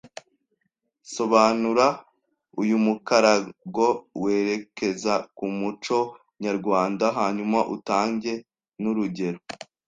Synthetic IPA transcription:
so̞βaːnuɾa | ujumukaɾaɡo̞we̞ːɾe̞ke̞zakumut͡ʃo̞ | ɲaɾɡwaːndaɦaːɲumaʔutaːɲɟe̞ | nuɾuɟe̞ɾo

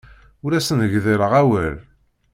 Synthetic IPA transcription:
ʊɾæsənəʝðiɾəʁæwæl

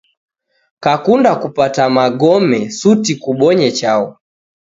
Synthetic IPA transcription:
kakundakupatamaɡɔmɛsutikuɓɔɲɛt͡ʃaɔ

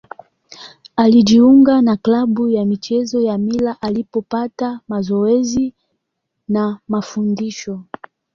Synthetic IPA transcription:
alid͡ʒiuŋɡanaklaɓujamit͡ʃɛzɔjamilaʔalipɔpatamazɔɛzi | namafundiʃɔ

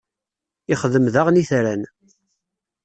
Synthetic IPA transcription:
ɪχəðəmðaʁniθɾæn

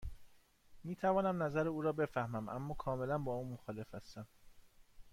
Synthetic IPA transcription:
miːt̪ʰævɒːnæmnæzæɾeuːɾɒːbe̞fæhmæmʔæ̰mːɒːkʰɒːme̞lænbɒːuːnmoxɒːle̞fæst̪æm

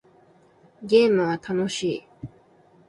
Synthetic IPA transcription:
ɡɛmat̪ʰanoɕi

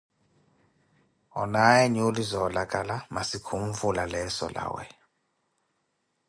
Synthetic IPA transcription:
ɔ̰najɛɲulizɔlakʼalamasikʰumvulalɛsɔ̰la̰ːwɛ̰

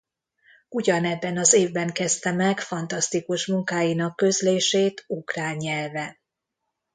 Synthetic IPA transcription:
uɟɒnɛbːɛnɒzeːvbɛŋkɛst̪ɛmɛkfɒnt̪ɒst̪ikuʃmuŋkaːjinɒkːø̞zleːʃeːt̪ukraːɲːɛlvɛ

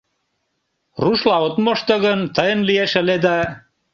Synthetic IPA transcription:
ruʃlɑot̪moʃt̪oɣənt̪əjə̆nlieʃə̆led̪æ

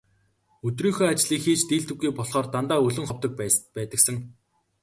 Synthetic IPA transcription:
ɵt̪riːŋxoːat͡ɕɮiːkxiːt͡ɕt̪iːɬt̪ɘ̆ɣːujpɔɮχɔːrt̪ant̪aːɵɮɵ̆ŋχɔwt̪ə̆k̚pæːt̪ə̆ksə̆ŋ

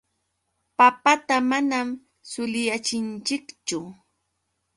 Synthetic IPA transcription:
papat̪amanam | sʊlɪjat͡ʃɪnt͡ʃɪkt͡ʃʊ

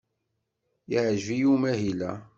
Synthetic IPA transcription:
jiʕʒvijumæɦilæ̰

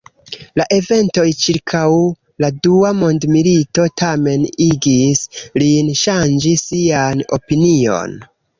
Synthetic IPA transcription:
laʔe̞ve̞nto̞jt͡ʃiɾkʰaw | laduamo̞ndmilito̞tʰame̞niɡislinʃand͡ʒisiano̞̰pinio̞̰n

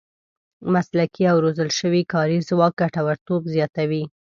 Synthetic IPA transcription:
maslakʰiawɾozəlʃəwikɑɾizwɑk̚ɡaʈawaɾt̪obzjɑt̪awi

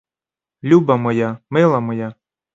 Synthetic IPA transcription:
lʲubɐmɔjamɪlˠɐmɔja

